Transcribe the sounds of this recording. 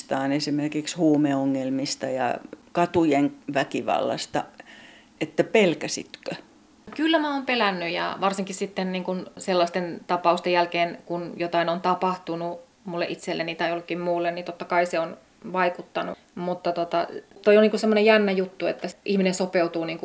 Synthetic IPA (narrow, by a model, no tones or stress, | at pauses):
t̪ɑːnesimerkikshuːmeoŋːelmist̪ɑjɑ̰kɑt̪ujeŋʋækiʋɑ̰lːɑ̰st̪ɑ̰ | et̪ːæpelkæsḭt̪kø | kylːæmæoːmpelænːyjɑ̰ʋɑrsiŋkissit̪ːenniːŋkunselːɑst̪ent̪ɑpɑust̪ejælkeːnkunjot̪ɑinont̪ɑpɑht̪unu | mulːeʔit̪selːenit̪ɑeiolːekːimmuːlːennit̪ot̪ːɑkɑiseon | ʋɑikut̪ːɑnṵ | mut̪ːɑt̪ot̪ɑ̰t̪oioniːŋkusemːonejænːæjut̪ːuḛt̪ːæʔihminensopeut̪uːniːŋku